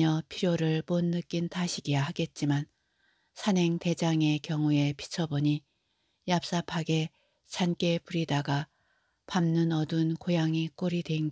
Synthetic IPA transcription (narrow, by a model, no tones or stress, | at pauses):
ʌpʰiɾjoɾɯɭmonːɯk͈intaɕʰiɡijahaɡe̞t̚t͡ɕ͈iman | sʰane̞ŋte̞d͡ʑaŋe̞kjʌŋue̞pʰi̥t͡ɕʰʌboɲi | jap̚s͈apʰaɡe̞ | t͡ɕank͈e̞puɾidaɡa | pamnɯnʌdunkojaŋik͈oɾidwe̞inɡ